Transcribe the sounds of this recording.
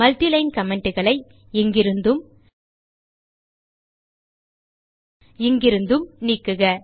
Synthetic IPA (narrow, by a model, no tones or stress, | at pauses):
mɐlt̪ilɐɪnkɐmɛɳɖɯɣɐɭɐɪ | ɛŋɡɪɾɯnd̪ɯm | ɪŋɡɪɾɯnd̪ɯmniːkːɯɣɐ